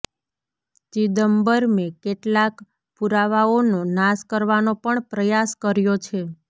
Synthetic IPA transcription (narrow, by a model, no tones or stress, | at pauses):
t͡ʃid̪əmbəɾmẽkeʈlak | puɾaʋaononaskəɾʋanopəɳpɾəjaskəɾjot͡ʃʰe